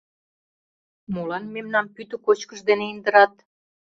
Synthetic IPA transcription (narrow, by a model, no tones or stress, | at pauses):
molɑnmemnɑmpyt̪ə̆kot͡ɕkəʃd̪eneind̪əɾɑt̪